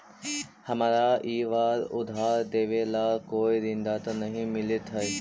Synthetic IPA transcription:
hɐmaːɾaiːʋaːɾʊ̰d̪ʱaːɾd̪eːʋelaːkoːiɾɪ̃nd̪at̪onɐɦĩmɪlɪt̪ɦɐe

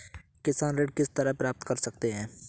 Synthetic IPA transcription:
kɪsaːnɾeːɖkɪst̪ɐɾəpɾaːp̚t̪kɐɾsɐk̚t̪eɦɛ̃ː

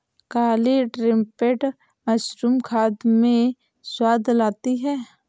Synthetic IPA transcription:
kaːliɖɾɪ̃mpeʈ | mɐʃɾumkʰaːd̪mẽ | swaːd̪ʱlaːt̪iɦɛː

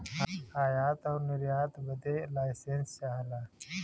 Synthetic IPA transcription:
aːjaːt̪ɔːɾniɾjaːt̪bəd̪elaːjsenst͡ʃaːɦlaː

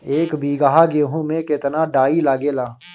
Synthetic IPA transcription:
eːkbʱiːɡaːɦaːɡeːɦũmẽkɪt̪naːɖaːilaːɡeːlaː

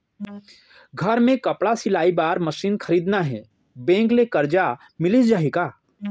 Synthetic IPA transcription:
ɡʱɐɾmẽkɐpɽasɪlaːibaːɾmɐʃiːnxʰɐɾiːd̪naɦɛ̰ː | bẽːŋklekɐɾd͡ʒa | mɪlɪsd͡ʒaːɦikaː

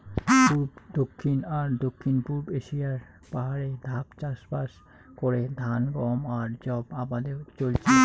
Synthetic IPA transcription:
puɾbd̪okʰːinaɾd̪okʰːinpuɾbeʃijaɾ | paɦaɾed̪ʱapt͡ɕaʃpaʃ | koɾed̪ʱanɡɔmaɾd͡ʑɔbabad̪eɾt͡ɕolt͡ɕʰe

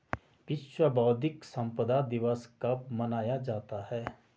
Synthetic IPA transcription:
ʋɪʃwəbɔːd̪ɪksɐ̃mpəd̪ad̪ɪʋəskamɐnaːjad͡ʒaːt̪ahɛː

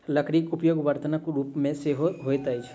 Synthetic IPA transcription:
lɐkʰɾikʊpjoːɡʋəɾt̪ənəkɾuːpmẽseːɦoɡʱoːet̪ɐid͡ʒʰ

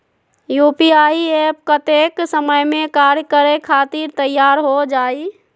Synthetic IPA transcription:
juːpiaːiep̚kət̪eksəməjmẽkaɾjəkəɾekʰaːt̪iɾt̪əjːaːɾɦod͡ʒaːi

